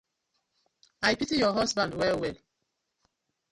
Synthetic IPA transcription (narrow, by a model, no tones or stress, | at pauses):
ajpitijɔɦɔsbãndwɛwɛl